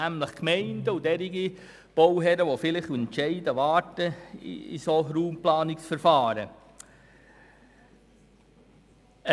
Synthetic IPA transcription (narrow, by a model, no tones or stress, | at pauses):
æmləχkmɛɪndəudɛɾiɡi | b̥owɦɛɾəʋofɪlɪχuɛnʃɛɪdəʋɑːtəḭḭsoɾuːmplɑːnɪksfɛɾfɑːɾə̰